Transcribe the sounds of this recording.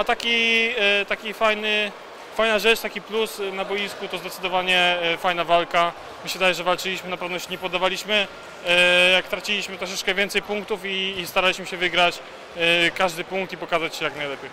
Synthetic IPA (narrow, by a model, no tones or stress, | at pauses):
at̪akʲit̪akʲifajnɘ | fajnaʐɛt͡ʂt̪akʲiplusnabɔjiskut̪ɔzd̪ɛt̪sɘd̪ɔvaɲɛfajnavalka | mɘɕɛvɘd̪ajɛʐɛvalt͡ʂɘlʲiɕmɘnapɛvnɔɕɛɲɛpɔd̪ːavalʲiɕmɘ | jakt̪ɾat͡ɕilʲiɕmɘt̪ɾɔʂ̬ɛt͡ʂkɛvʲjɛnt̪sɛjpuŋkt̪ufiːst̪aɾalʲiɕmɘɕɛvɘɡɾat͡ɕ | kaʐd̪ɘpuŋkt̪ipɔkazat͡ɕɕɛjaknajlɛpʲjej